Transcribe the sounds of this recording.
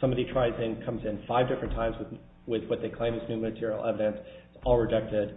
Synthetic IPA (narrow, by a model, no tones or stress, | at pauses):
sʌ̃mbɑɾitʰɹ̥aɪzɪ̃ŋkʰʌ̃mzɨ̃nfaɪvdɪfɹɨ̃ntʰãɪ̃mzwɨ | wɪðwʌt̪̚ðeɪkʰl̥ẽɪ̃mɨznʉ̃mɨtʰɪɹil̩ˠɛvɨɾɨ̃nszɔlˠɹɨd͡ʒɛk̚tɪd̥̚